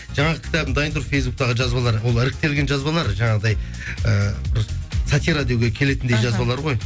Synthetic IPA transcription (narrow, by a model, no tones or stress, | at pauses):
ʒɑɴɑʁəkʲʰɪt̪ɑbɪnd̪ɑjənd̪əɾufe̞jsbuk̚t̪ɑʁəʒɑzbɑlˠɑɾwo̞lˠɪɾɪk̚t̪e̞lɡʲe̞nʒɑzbɑlˠɑɾʒɑɴɑʁəd̪ɑj | əbɪɾsat̪iɾad̪jioɡʲekʲʰe̞le̞t̪ɪnd̪ejʒɑzbɑlˠɑɾʁo̞j